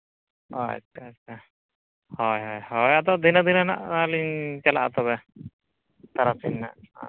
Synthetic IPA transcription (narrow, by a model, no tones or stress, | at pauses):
ɔ̰ɛ̰skaska | hɔjɦɔjhɔjat̪ɔd̪inad̪inana̰ʔaliɲt͡ʃala̰ʔat̪ɔβɛ | t̪aɾasinːa̰ʔ